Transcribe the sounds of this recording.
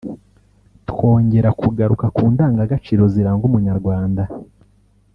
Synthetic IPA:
two̞ːɲɟe̞ɾakuɡaɾukakuːndaːŋɡaɡat͡ʃiːɾo̞ziɾaːŋɡumuɲaɾɡwaːnda

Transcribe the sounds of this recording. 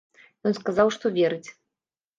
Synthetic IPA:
jɔnskazawʂt̪ɔvʲɛɾɨt͡sʲ

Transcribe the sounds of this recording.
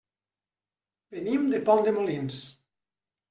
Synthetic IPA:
benimd̪epɔnd̪emolins

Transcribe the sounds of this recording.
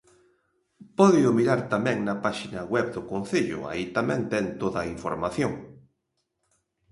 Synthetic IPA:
pɔðeʊmiɾaɾt̪amɛ̃ŋnɐpaʃinɐɣwɛβd̪ʊkon̟θeʎʊ̰a̰it̪amɛ̃ŋt̪ɛŋt̪oðɐiɱfoɾmaθjoŋ

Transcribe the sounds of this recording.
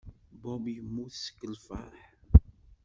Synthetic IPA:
bɔbimːuθsə̥kːəlfa̰ħ

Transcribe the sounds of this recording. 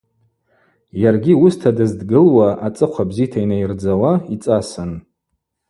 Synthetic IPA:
jarɡʲiustʰadɨzdɡɨlwaat͡sʼɨqʷʰabzijtʰainajrd͡zawait͡sʼasɨn

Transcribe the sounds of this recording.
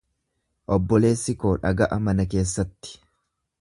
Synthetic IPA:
ʔɔbːɔle̞ːsːɪko̞ːᶑɐɡɐʔɐmɐnɐke̞ːs̬ːɐt̪ːɪ̥

